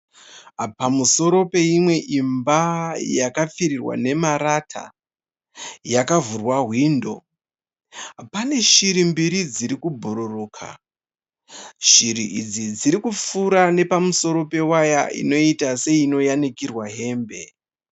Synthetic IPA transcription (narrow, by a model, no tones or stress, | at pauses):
pamuso̞ɾo̞pe̞imwe̞ʔimbajakap͡fiɾirwa̰ne̞maɾatʰa̰ | jakavurwaɦwiːndo̞̰ | pane̞ʃiɾimbiɾid͡ziɾikubʱuɾuruːkʰa̰ | ʃiɾiʔid͡zid͡ziɾikup͡fuɾane̞pamuso̞ɾo̞pe̞waja̰ʔḭno̞itase̞ino̞janikirwaɦe̞ːmbe̞̰